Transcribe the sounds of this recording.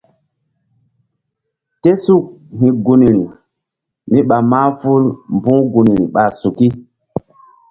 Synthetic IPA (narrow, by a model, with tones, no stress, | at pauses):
te˦su˦k̚ɦi˨ɡu˨ni˨ɾi˨ | mi˦ɓa˨maː˦fu˦lmbũ˦ɡu˨ni˨ɾḭ˨ɓa˨su˨ki˦